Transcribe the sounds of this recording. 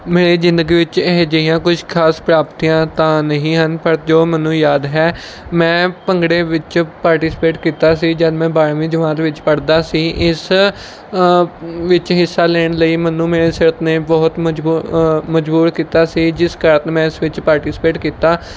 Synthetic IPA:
meːɾeːzɪ̃nd̪əɡiːʋɪt͡ʃeɦd͡ʒəijãːkʊʃʰkʰaːspɾaːpt̪iːãːt̪ãːnəɦĩːɦənpəɾd͡ʒoːmənũːjaːd̪ɦɛː | mɛ̃ːpəŋɡɽeːʋɪt͡ʃpaːɾʈiːsɪ̥peːʈkiːt̪aːs̬iːd͡ʒəd̪mɛ̃ːbaːɾʋĩːd͡ʒəʋãːnt̪ʋɪt͡ʃpəɽd̪aːsiːʔɪs | ʋɪt͡ʃɦɪsːaːlɛːɳləiːmənũːmeːɾeːsɪɾət̪neːbɔːt̪md͡ʒːməd͡ʒbuːɾkiːt̪aːsiːd͡ʒɪskəɾt̪ːmɛ̃ːɪsʋɪt͡ʃpaːɾʈiːsɪ̥peːʈkiːt̪aː

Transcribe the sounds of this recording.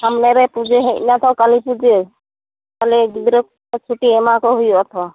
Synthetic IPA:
hamnɛɾɛpud͡ʒeɦɛʔnat̪ʰɔkalipud͡ʒe | kaliɡid̪ɾɔk | t͡ʃʰuʈiɛmakɔɦujuɔt̪ʰɔ

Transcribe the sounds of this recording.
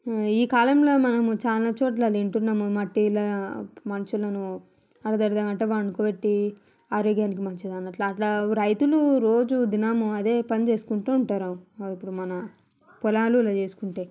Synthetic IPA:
iːkaːlɐmlo̞ːmɐnɐmut͡ʃaːlat͡ʃoːʈ̬lɐleɳʈunːɐmumɐʈːilɐmɐnɐʃulɐnu | ɐɽɐd̪ɐɾd̪aːmɐɳʈeʋaɐɳukoːbeʈːi | aːɾoːɡjaːnik̬imɐnt͡ʃid̪ɐnːɐʈlɐɐʈlɐɾɐjt̪uluɾoːd͡ʒud̪inaːmuɐd̪e̞ːpɐnit͡ʃe̞ːsu̥kuɳʈuuɳʈaːɾaipːuɽumɐnɐ | pɔlaːlulɐt͡ʃe̞ːsu̥kuɳʈe̞ː

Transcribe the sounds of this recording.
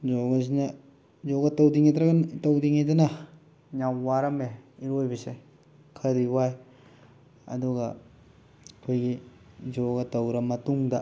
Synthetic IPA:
zoɡɐs̬inɐ | zoɡɐtɐwdiŋidɾɐɡtɐwdiŋidɐnɐ | ɲawwaɾɐmeiɾojbɐse | kʰɐɾiwaj | ɐ̰duɡɐ | kʰojɡi | zoɡɐtɐwɾɐmɐtuŋdɐ

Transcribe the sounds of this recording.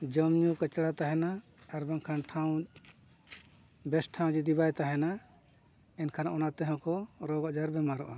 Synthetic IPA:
d͡ʒɔmɲukət͡ʃɽat̪aɦɛnaː | ɾbaŋkʰanʈʰaw̃ | bɛsʈʰaw̃d͡ʒid̪ibajt̪aɦɛna | ɛnkʰanaʔɔnat̪ɛɦɔ̃kɔɾɔɡɔʔd͡ʒaɾbɛmaɾɔ̰ʔa

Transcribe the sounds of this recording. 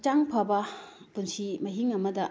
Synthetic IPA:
t͡ʃaŋpʰɐbɐ | punsimɐɦiŋɐmɐdɐ

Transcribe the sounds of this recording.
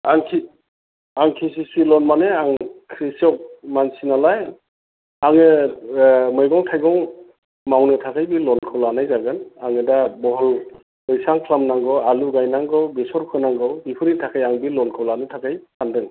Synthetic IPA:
aŋkʰi | aŋkʰis̬isilɔnmaneaŋkʰɾisɔk̚mansinalaj | aŋɯ | mɯjɡɔŋtʰajɡɔŋ | mawnɯtʰakʰajbilɔnkʰɯwlanajzaɡɯnaŋɯdabɔɦɔl | ɯjsaŋkʰlamnaŋɡɔaluɡajnaŋɡɯwbisɔɾkʰɯnaŋɡɯwbipʰɯɾitʰakʰajaŋbilɔnkʰɯwlanɯtʰakʰajkʰandɯŋ

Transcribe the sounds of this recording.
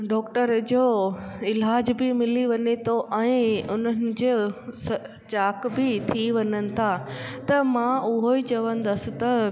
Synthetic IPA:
ɖɔːkʈəɾd͡ʑoːɪlaːd͡ʑbɪmɪliʋɐɲet̪ʰoʔɛ̃ːʊn̤ənɪ̆d͡ʑesɐ | t͡ɕaːkbɪt̪ʰiʋɐɲənɪ̆t̪ʰat̪ɐmãʊɦoit͡ɕɐʋə̃n̆d̪ɐsɪ̆t̪ɐ

